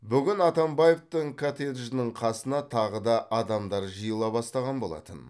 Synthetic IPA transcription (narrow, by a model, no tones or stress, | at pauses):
bʏɡʲɪnɑt̪ɑmbaje̞ft̪əɴkʰat̪ed̪ʒɪnəɴqʰɑsənɑt̪ʰɑʁəd̪ɑʔɑd̪ɑmd̪ɑɾʒəjəlˠɑbɑst̪ɑʁɑnbo̞lˠɑ̰t̪ən